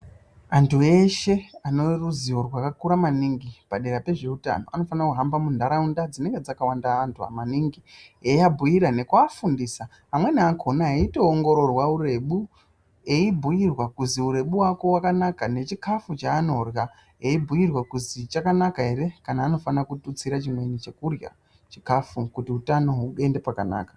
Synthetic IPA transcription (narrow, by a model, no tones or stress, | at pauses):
antʰue̞ʃe̞ano̞ruziwo̞rwakakuɾamaniŋɡipaɗe̞ɾape̞ʐe̞uta̰no̞̰ʔano̞fanakuɦambamundʱaɾaundad͡zine̞ŋɡe̞d͡zakawandaːntʰua̰maniŋɡieabʱujiɾane̞kwafundiːsa | amwe̞niakʰo̞naɦaito̞ːŋɡo̞ɾo̞rwauɾe̞ɓu | eibʱujirwakuziuɾe̞ɓuwako̞wakanakane̞t͡ʃikʰafut͡ʃaːno̞rja | eibʱujirwakuzit͡ʃakanakaɦe̞ɾe̞kanaːno̞fanakutut͡siɾat͡ʃimwe̞nit͡ʃe̞kurja̰ | t͡ʃikafukutiutano̞ɦue̞nde̞pakana̰ːkḁ